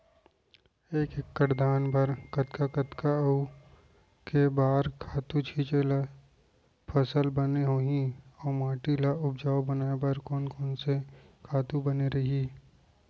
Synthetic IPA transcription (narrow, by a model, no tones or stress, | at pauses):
eːkekːəʈd̪aːnbʱɐɾkɐt̪kakɐt̪kau | kebaːɾkʰaːt̪ũt͡ʃʰiːt͡ʃela | pʰɐsəlbɐneɦoːɦĩɔːmaːʈilaʊbd͡ʒaːobɐnaːebɐɾkɔːnkɔːnsekʰaːt̪ũbɐneɾɐɦi